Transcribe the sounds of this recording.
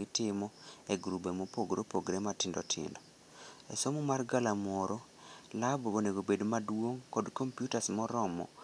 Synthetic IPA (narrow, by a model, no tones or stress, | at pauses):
ɪtɪmɔeɡɾubemopoɡɾopoɡɾematɪndɔ̰tʰɪ̰ndɔ | ɛsomumarɡalamɔɾɔ | labooneɡobedmadwoŋkɔdkompjutasmɔɾɔmɔ̰